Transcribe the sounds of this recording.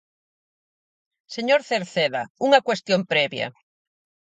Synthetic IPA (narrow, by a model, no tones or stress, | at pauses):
seɲoɾθeɾθeðauŋɐkwest̪jompɾɛβjɐ̰